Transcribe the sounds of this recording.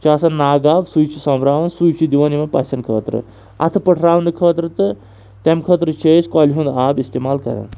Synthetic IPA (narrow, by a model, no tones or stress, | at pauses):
t͡ʃaːsɐnaːɡaːbsujt͡ʃʰisɐmɾaːʋɐnsujt͡ʃʰid̪iʋɐnimɐpɐ̰sɐnkʰə̰ːt̪ɾɨ̰ | ɐ̰t̪ʰɨpəʈʰɾaːʋɐnɨkʰəːt̪ɾɨt̪ɨ | t̪emkʰəːt̪ɾɨt͡ʃʰeːskaːlʲiɦũnd̪aːbist̪eːmaːlkɐ̰ɾɐ̰n